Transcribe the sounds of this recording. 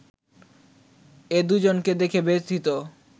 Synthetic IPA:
ed̪ud͡ʑonked̪ekʰebet̪ʰit̪o

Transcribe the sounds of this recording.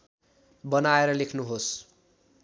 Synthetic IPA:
bʌnaeɾʌlekʰnuɦos

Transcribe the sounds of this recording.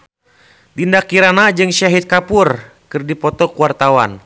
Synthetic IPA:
t̪indakːiɾanad͡ʒɨŋʃaɦit̪̚kapʊr | kɨrdipɔt̪ɔkuwart̪awa̰n

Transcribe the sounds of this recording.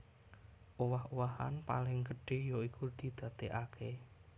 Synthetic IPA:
ʔowahowaɦa̰npa̰lɪŋɡə̤ɖ̥e̤jɔikud̪̥i̤d̪̥ä̤t̪eʔakʰe

